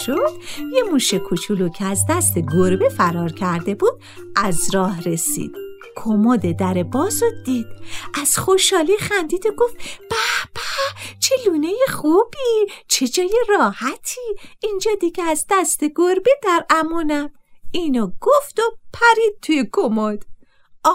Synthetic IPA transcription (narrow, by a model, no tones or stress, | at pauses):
ʃod̪̥jemuːʃekʰut͡ʃʰulucʰeæzd̪æst̪eɡoɾbefæɾɒːɾcʰæɾd̪e̞buːd̪̥̚ | ʔæzɾɒːhɾesḭːd̪̥ | kʰomod̪ed̪æɾebɒːzod̪̥iːd̪̥ʔæz̥xoʃhɒːliːxænd̪iːd̪oɡoft̪b̥æb̥æt͡ʃʰeluːnejeχubit͡ʃʰed͡ʒɒːjerɒːhæt̪ʰiːind͡ʒɒːd̪iɡeæzd̪æst̪eɡoɾbed̪æɾæmuːnæd̪̥iːnoɡ̥oft̪opʰæɾiːd̪̚t̪ʰujekʰomod̪̥